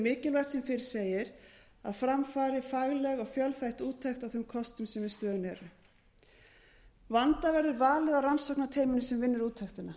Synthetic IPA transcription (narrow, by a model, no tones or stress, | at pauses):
mɪːcɪlvajht̪sɛmfɪɾɪ̥ɾ̥seːjɪɾ | aðfɾamfaːɾɪfaɣlɛɣɔɣfjœlθajht̪uːt̪ʰːajxt̪awθʏmkʰɔst̪ʏmsɛmvɪst̪œːðʏnɛːɾʏ | vant̪avɛɾðʏɾvaːlɪðawransɔwknat̪ʰeːjmɪnɪsɛmvɪnːɪɾuːt̪ʰːaxt̪ɪna